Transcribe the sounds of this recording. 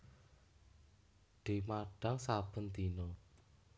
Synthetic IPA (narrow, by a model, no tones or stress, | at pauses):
ɖ̪̥i̤maɖ̥aŋsab̥ə̤nt̪inɔ